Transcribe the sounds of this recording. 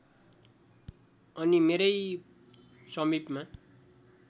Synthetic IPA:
ʌnimeɾʌj | sʌmipma

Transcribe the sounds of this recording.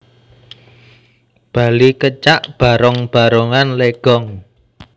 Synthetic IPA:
b̥a̤likət͡ʃaʔb̥a̤ɾɔŋb̥a̤ɾoŋanleɡ̥ɔŋ

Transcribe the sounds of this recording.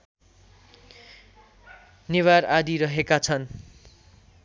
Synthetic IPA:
niwaɾad̪iɾʌɦekat͡sʰʌn

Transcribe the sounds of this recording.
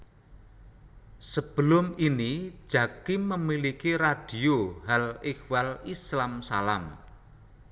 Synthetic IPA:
səb̥ə̤lʊmini̥ʒ̥a̤kiməmilikiɾad̥i̤oɦalehwalislamsalam

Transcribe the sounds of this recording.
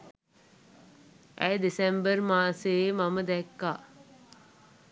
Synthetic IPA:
ʔæ̰jd̪isembərmaːsemaməd̪ɛkːaː

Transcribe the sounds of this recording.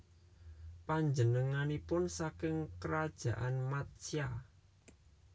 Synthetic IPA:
paɲd͡ʒənəŋanipʊnsakɪŋkəɾad̥ʒ̥ä̤ʔanmat̪sija

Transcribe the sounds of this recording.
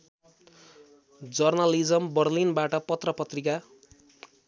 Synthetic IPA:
d͡zʌrnalid͡zʌmbʌrlinbaʈʌpʌt̪rʌpʌt̪rika

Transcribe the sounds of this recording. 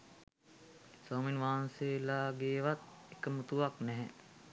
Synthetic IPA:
saːminʋaːnseːlaːɡeːʋat̪̚ekəmut̪uʋaknɛɦɛ̰

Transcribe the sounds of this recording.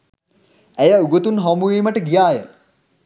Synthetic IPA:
æjəuɡot̪unɦɔmuiːməʈəɡijaːjə

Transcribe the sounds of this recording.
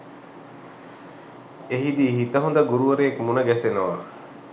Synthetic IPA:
eɦid̪iːɦit̪əɦond̪əɡuɾuʋəɾejekmunəɡæsenɐʋa

